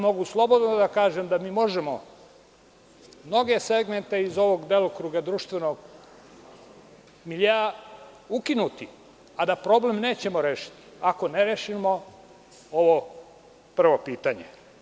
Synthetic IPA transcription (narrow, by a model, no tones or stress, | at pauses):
mo̞ɡuslˠo̞bo̞d̪nod̪akaːʒemd̪amiːmo̞ʒemo | mno̞ɡe̞se̞ɡme̞nt̪e̞izo̞ʋo̞ɡd̪elˠokɾuːɡad̪ɾuʃt̪ʋenoɡ | miʎeaukinut̪i | ad̪apɾo̞blemne̞ːt͡ɕe̞moɾeːʃi̥t̪i̥ako̞neɾeːʃimo | oʋo | pr̩ʋo̞piːt̪aɲḛ